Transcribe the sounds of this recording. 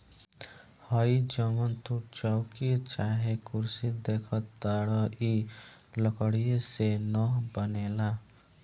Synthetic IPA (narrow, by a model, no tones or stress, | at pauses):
həid͡ʒəmənt̪ʰuʈ̚t͡ʃaʊkit͡ʃaːɦekʊɾsid̪eːkʰət̪ːaɽəʔi | ləkəɽijesenɔɦbəneːla